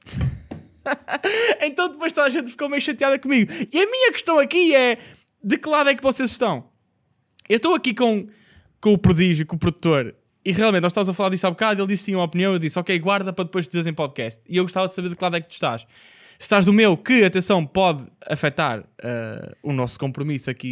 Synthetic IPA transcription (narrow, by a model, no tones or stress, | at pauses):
ẽnt̪ɐ̃w̃d̪ɨpojʃt̪aðɐʒẽnt̪fi̥komɐjʃɐ̃t̪jaðɐkumiɣuiɐmiɲɐkɨ̥ʃt̪ɐ̃w̃ɐkiɛ | d̪ɨkɨlˠaðwɛkvɔsezʃt̪ɐ̃w̃ | ewʃt̪owɐkikõ | kõupɾuðiʒjukõupɾuðut̪oɾ | iʁjalˠmẽt̪nɔʃt̪amzɐfɐlˠaɾðiʃsaβukaðuielˠd̪issĩumɔpiniɐ̃w̃ewðisɔkejɣwaɾðɐpɾɐðɨpojʒd̪izeɾzẽpɔðkɛst̪iewɣuʃt̪avɐðsɐβeɾðɨklˠaðuwɛk̚t̪u̥ʃt̪a̰ʃ | sɨ̥ʃt̪aʒðumewkɨɐt̪ẽsɐ̃w̃pɔðɐ̰fɛt̪a̰ɾɛ̰ṵnɔskõmpɾumisɐki